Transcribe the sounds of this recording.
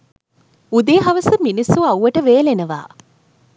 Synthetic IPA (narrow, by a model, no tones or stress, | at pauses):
ud̪eːɦaʋəsəminisuɐwʋəʈəʋeːlenəʋa̰ː